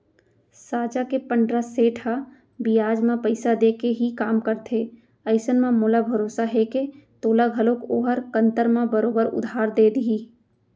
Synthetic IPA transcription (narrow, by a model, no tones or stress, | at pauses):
saːd͡ʒakepə̃ɳɖɾaseːʈʰɦa | bijaːd͡ʒmãpəɪsad̪eːkeɦikaːmkəɾt̪ʰeː | əɪsənmãmoːlabʱəɾoːsaɦɛket̪oːlaɡʱəlokoːɦəɾkə̃nt̪əɾmãbəɾoːbəɾʊ̰d̪ʱaːɾd̪eːd̪iː